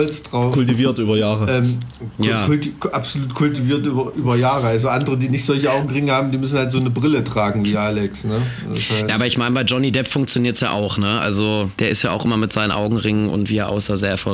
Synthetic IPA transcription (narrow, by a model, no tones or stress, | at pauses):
ɔlt͡sd̥ʁaʊkʰʊlt̬iviːɐtʔyːbɐjaːʁəɛːmjaːʊltʔapz̥oluːtkʰʊltiviːɐtʔyːbɐʔyːbɐjaːʁəalzoʔandəʁədiːnɪçtz̥ɔlçəaʊɡŋ̩ʁɪŋəhaːbm̩diːmʏsn̩haltz̥oːnəbʁɪlətʁ̥aːɡŋ̩viːʔaːlɛksnə | shajaʔaːbɐɪçmaɪnəbaɪd͡ʒɔnidɛpfʊŋkt͡sjoniːɐtsja̰ːʔa̰ʊxnəʔa̰lzod̥eːɐɪstjaːaʊxʔɪ̰mɐmɪtz̥aɪnənʔaʊɡŋ̩ʁɪŋənʊ̰ntv̥iːɛɐʔa̰ʊsazeːɐɛɐfɔ